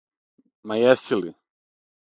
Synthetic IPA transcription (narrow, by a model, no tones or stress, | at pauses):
majɛsili